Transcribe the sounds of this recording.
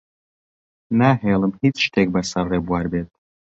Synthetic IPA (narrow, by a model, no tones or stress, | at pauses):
naɦeːlˠɨmhiːt͡sʃt̪ʰeːk̚bɐsɐrrebwaːɾbeːt̪̚